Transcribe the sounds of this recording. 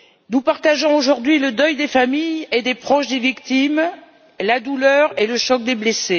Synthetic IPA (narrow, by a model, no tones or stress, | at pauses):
nupaʁt̪aʒɔ̃oʒuʁd̪ɥiləd̪œjd̪efamijed̪epχɔʃd̪evikt̪im | lad̪ulœʁeləʃɔk̚d̪eblese